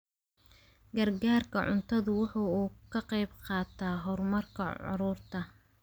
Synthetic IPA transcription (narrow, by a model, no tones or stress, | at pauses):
ɡɐrɡaːrkʰɐʕʊ̰nt̪ʰɐðʊwɑħuːuːkʰɐqɛjbqɑːt̪ʰaːɦɔrmɐrkʰɐ̰ʕʊ̰ɾʊːrt̪ʰɐ